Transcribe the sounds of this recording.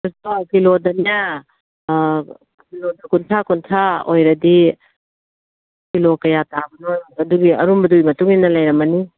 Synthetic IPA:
kustoakilodɐniɐ | kilodɐkuntʰakuntʰaojɾɐdi | kilokɐjatabɐnojɐduɡiɐ̰ɾumbɐduɡimɐtuŋinːɐlajɾɐmɐni

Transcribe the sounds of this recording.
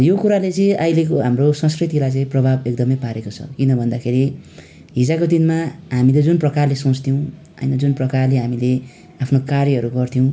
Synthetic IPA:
jokuɾalet͡sʌĩʔailekoɦamrosʌ̃nskrit̪ilajt͡sʌ̃ĩprʌbʱabek̚d̪ʌmʌjpaɾekot͡sʰʌ̰kinʌbʱʌnd̪akʰeɾi | ɦid͡zakod̪inmaɦamiled͡zunprʌkarlesõt͡st̪ʰijw̃ | ʌ̰jnʌd͡zunprʌkarleɦamile | apʰnokaɾjʌɦʌɾuɡʌrt̪ʰijw̃

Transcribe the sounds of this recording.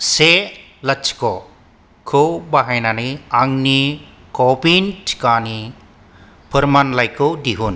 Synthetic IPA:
se | lət͡ʃʰko | kʰobaɦajnanɐjaŋni | kɔbintkani | pəɾmanlajkod̪iɦun

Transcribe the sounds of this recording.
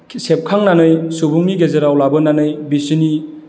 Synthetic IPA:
sep̚kʰaŋnanɯjsubuŋniɡezeɾawlabɯnanɯjbisini

